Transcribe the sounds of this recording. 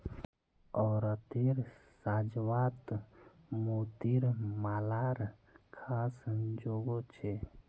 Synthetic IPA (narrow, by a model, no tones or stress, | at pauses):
ɔːɾət̪iɾsaːd͡ʒʋaːt̪ | moːt̪iɾmaːlaːɾkʰaːsəd͡ʒoːɡot͡ʃʰe